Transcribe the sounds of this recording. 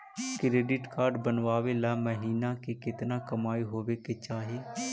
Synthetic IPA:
kɾeːɖɪʈkaːɾɖbənʋaːʋeːlaːməɦiːnãːkekɪt̪naːkəmaːiːɦoːʋeːkeːt͡ʃaːɦeː

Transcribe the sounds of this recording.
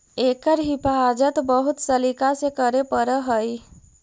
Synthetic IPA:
ekəɾɦipʰad͡ʒət̪bəɦut̪səlikasekəɾepəɾəɦəj

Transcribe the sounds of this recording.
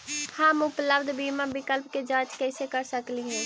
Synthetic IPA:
hamʊpləbd̪biːmãːbɪkəlpkeːd͡ʒaːt͡ʃkɛːseːkəɾsəkliːɦɛ̃ː

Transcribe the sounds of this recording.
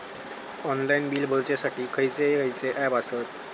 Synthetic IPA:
ɔnlainbiːlbʱəɾt͡ɕjasaʈiːkʰəjt͡sekʰəjt͡seʔɛbasət̪̚

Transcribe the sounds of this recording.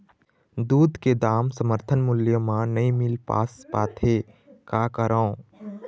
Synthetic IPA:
d̪uːd̪ʱked̪aːmsəməɾt̪ʰənmʊljəmãnɐĩmɪlpa̰ːspaːt̪ʰe | kaːkəɾã

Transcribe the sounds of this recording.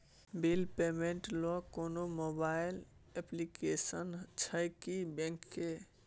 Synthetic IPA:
bilpemeɳʈlɔkonomobailɛplikesənt͡ʃʰəjkibɛ̃ŋkːe

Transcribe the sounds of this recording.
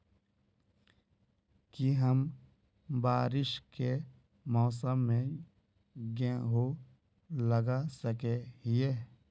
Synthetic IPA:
kiɦəm | baːɾɪʃke | mɔːsəmːẽ | ɡẽɦo | ləɡasəkeɦɪeː

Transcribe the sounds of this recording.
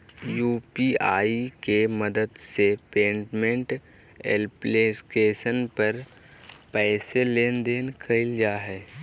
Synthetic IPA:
juːpiaːikemɐd̪əd̪sepẽːɳʈmẽɳʈ | ḛlpleːsʈeːʃənpɐɾ | pɛːseleːnd̪eːnkʰɐɪld͡ʒaːɦɛː

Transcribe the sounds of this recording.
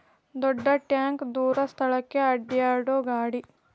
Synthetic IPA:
d̪ɔɖːɐʈjaːŋkd̪uːɾɐst̪ʰɐɭɐkːeɐɖːijaːɾɽoːɡaːɽi

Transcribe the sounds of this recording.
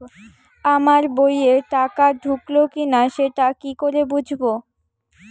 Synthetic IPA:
amaɾbojeʈakaɖʱuklokinaʃeʈakikoɾebud͡ʑʱbo

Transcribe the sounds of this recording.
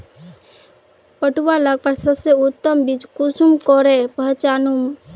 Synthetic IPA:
pəʈuʋalaɡ̚pəɾsəbseʊt̪ːəmbit͡ʃkusumkɔɾepəɦt͡ʃanum

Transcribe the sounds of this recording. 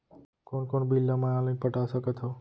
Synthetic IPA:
konkonbilːamajãlənpəʈasəkət̪ɦo

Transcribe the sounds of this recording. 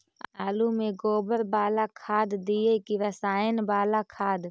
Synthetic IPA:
aːlumẽɡoːbəɾbaːlakʰaːd̪d̪iekiʋəsaːɪnbaːlakʰaːd̪

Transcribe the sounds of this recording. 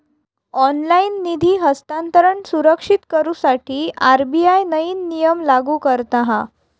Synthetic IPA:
ɔnlainːid̪ʱiːɦəst̪ant̪əɾəɳsuɾəkʂit̪kəɾuːsaʈʰiːaɾbijajnəiːnːijəmlaɡuːkəɾt̪aɦa

